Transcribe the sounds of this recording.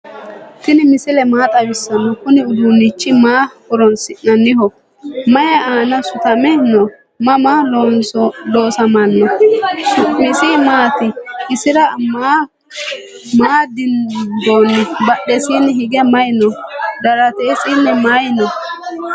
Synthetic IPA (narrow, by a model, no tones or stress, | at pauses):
t̪ɪnɪmɪsɪlɛmaːt̪ʼɐwɪsːɐnːɔkʊnɪʊd̪ʊnːɪt͡ʃːɪmaːkʊɾɔnsɪnnɐnːɪhɔ | mɐjɐaːnɐsʊt̪ɐmɛnɔ | mɐmaːlonloːsɐmɐnːɔʊmɪsiːmaːt̪ɪʔɪsɪɾɐmaː | maːd̪ɪnd̪oːnːɛbɐɗɛsiːnɛhɪɡɛmɐjnɔd̪ɐɾɐt̪eːsʼɪnːɛmajnɔ